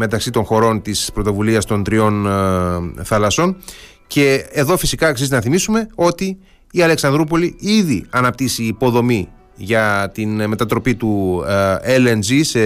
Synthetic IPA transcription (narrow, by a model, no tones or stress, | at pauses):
me̞t̪ɐksit̪o̞ŋxo̞ɾo̞nt̪ispɾo̞t̪o̞vuliɐst̪o̞nt̪ɾio̞n | θɐlɐso̞n | ce̞ːðo̞fisikɐksizinɐθimisume̞o̞t̪iː | ɐle̞ksɐnd̪ɾup̬o̞liiðiɐnɐp̚t̪isiːpo̞ðo̞mi | ʝɐt̪inme̞t̪ɐt̪ɾo̞pit̪u | elenzise